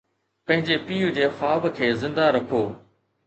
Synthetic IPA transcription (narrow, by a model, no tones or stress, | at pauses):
pɐ̃ɦɪ̃ɲd͡ʑepiːud͡ʑeːfaːbkʰeːzɪ̃nd̪aɾɐkʰoː